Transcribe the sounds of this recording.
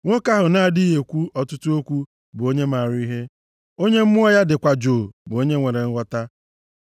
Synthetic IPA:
ŋʷo˦ka˦ɦʊ˨na˦a˨di˦ɦe˨kʷu˦ɔ˨tʊ˦tʊ˦o˦kʷu˦ | bʊ˨o˦ɲe˦ma˨ɾʊ˦i˦ɦe˦ | o˦ɲe˦m̩˦mʊ˦ɔ˦ja˦dɪ˨kʷa˨d͡ʒoː˨bʊ˨o˦ɲe˦ŋʷe˨ɾe˨ŋ̩˦wʷɔ˦ta˦

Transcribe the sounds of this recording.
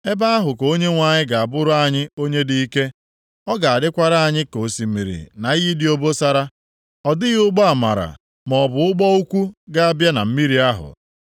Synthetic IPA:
e˦ba˦a˦ɦʊ˨ko˦ɲe˦ŋʷa˨ɲɪ˦ɡa˨a˨bʊ˦ɾʊ˦a˦ɲɪ˦o˦ɲe˦di˦i˦ke˦ | ɔ˦ɡa˨a˨dɪ˦kʷa˦ɾa˦a˨ɲɪ˦ko˨si˨˦mḭ˨ɾḭ˨na˨i˦i˦dɪ˦o˦bo˦sa˦ɾa˦ | ɔ˨dɪ˦ɣɪ˦ʊ˦ɡ͡bɔ˦a˨ma̰˨ɾa̰˨ | mɔ˨bʊ˨˦ʊ˦ɡ͡bɔ˦u˦kʷu˦ɡa˦a˦bja˦na̰˨m̩˦mi˦ɾi˨˦a˦ɦʊ̰˨

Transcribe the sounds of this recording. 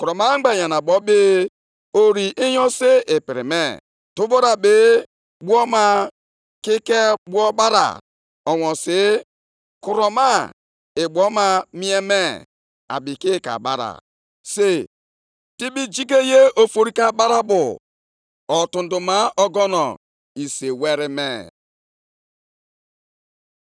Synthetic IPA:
kʊ˨ɾɔ˨ma˦ŋ͡m̩˦ɡ͡ba˨ja˨na˨bɔ˨˦bɪ˦ | o˨ɾi˨ʔi˦jɔ˦se˦ɪ˨pi˨ɾɪ̰˨mḛ˦˨ | tʊ˦bo˦ɾa˨be˦ | ɡ͡bu˦ɔ˦ma˦ | ki˦ke˦ɡ͡bu˦ɔ˦ba˦ɾa̰˨ | ɔ˨wɔ˨sɪ˦ | kʊ˨ɾɔ˨ma˦ | ɪ˨ɡ͡bʷɔ˦ma˦mi˦e˦me˦ | a̰˨bi˨ki˦ka̰˨ba˦ɾa̰˨ | se˦ | ti˦bi˦d͡ʒi˦ke˦je˦o˨fo˨ɾi˦ka˨ɓa˦ɾa˦bʊ˨ | ɔ˨tʊ˨n̩˨dʊ˨ma˦ɔ˦ɡɔ˦nɔ̰˨ | i˨se˨we˦ɾɪ˦me˦˨

